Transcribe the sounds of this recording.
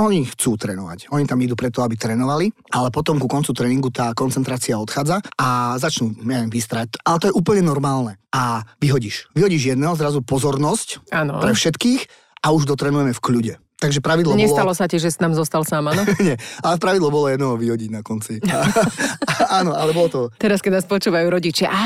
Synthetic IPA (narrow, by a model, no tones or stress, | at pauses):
ʔɔɲixt͡suːt̪ɾɛ̰ːnɔʋa̰cɔɲit̪amid̪uːpɾɛt̪ɔabit̪ɾɛːnɔʋali | alɛpɔt̪ɔmkukɔnt͡sut̪ɾɛːniŋɡut̪aːkɔnt͡sɛnt̪ɾaːt͡siaɔt̪xaːd͡zaazat͡ʃnuɲɛʋɛmʋist̪ɾac̚alɛt̪ɔjɛʔuːpl̩ɲɛnɔɾmaːlnɛaʋiɦɔɟiːʃʋiɦɔɟiːʒjɛd̪nɛːɦɔzɾazupɔzɔɾnɔscanɔ̰pɾɛfʃɛt̪kiːx | auʒd̪ɔt̪ɾɛːnujɛmɛfkʎuɟɛ | t̪aɡʒɛpɾaʋid̪lɔɲɛst̪alɔsaciʒɛsnaːmzɔst̪alsaːmanɔɲɛalɛpɾaʋid̪lɔbɔlɔjɛd̪nɛɦɔʋiɦɔɟiɟnakɔnt͡sia | aːnɔʔalɛbɔlɔt̪ɔt̪ɛɾaskɛnaːspɔt͡ʃuːʋajuɾɔɟit͡ʃɪaʔa